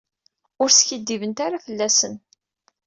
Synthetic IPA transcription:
ʊɾsçid̪ːivənt̪aɾafəlːæsən

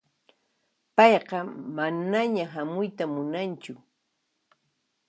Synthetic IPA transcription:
pɑjqɑmanaɲaɦamʊjt̪amʊnant͡ʃʊ

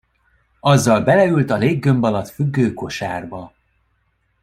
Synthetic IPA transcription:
ɒzːɒlbɛlɛylt̪ɒleːɡːø̞mbɒlɒt̪fyɡːøːko̞ʃa̰ːrbɒ

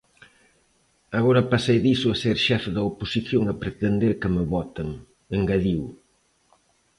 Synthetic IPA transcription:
ɐɣoɾɐpasejðisʊɐseɾʃɛfðɐoposiθjoŋɐpɾet̪end̪eɾkɪmeβɔt̪ɐŋ | eŋɡaðiw

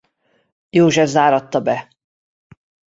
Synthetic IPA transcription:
joːʒɛvzaːɾɒt̪ːɒbɛ

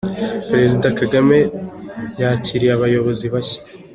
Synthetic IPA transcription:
pɾe̞zidakaɡame̞ | jaaciɾijaβajo̞βo̞ziβaçḁ

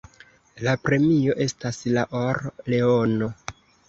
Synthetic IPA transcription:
lapɾe̞mio̞ʔe̞staslaʔoɾle̞ono̞

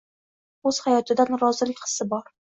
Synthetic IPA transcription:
ɵz̥hajɒt̪ʰɪd̪anɾɒzɪlɪkʲqɨ̥sɪbɒɾ

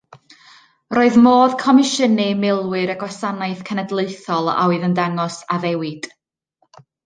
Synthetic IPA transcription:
roːɨðmoːðkʰɔmɪʃənɨmɪlˠwɨɾaɡwasanaɨθkʰənədlˠeɨθɔlˠa̰wɨðəndaŋɔsaðɛwɪd̥

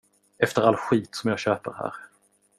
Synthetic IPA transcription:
ɛft̪əɾalɧiːt̪sɔmjɑːɡɕøːpəɾhæ̰ːɾ

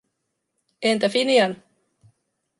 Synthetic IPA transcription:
ent̪æfiniɑn

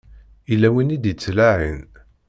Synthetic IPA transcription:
ilːæwinid̪jət͡sːlaʕḭn

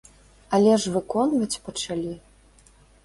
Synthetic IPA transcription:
ɐlʲɛʐvɨkɔnvɐt͡sʲpɐt͡ʂalʲi

